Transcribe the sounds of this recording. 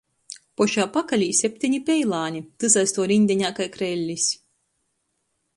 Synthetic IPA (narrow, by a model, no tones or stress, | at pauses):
pɔʃaːpakalʲiːsʲɛpʲt̪ʲiɲʲipʲɛjlˠaːnʲit̪ɨzajst̪uɔɾinʲd̪ʲɛɲʲaːkajkɾɛlʲːisʲ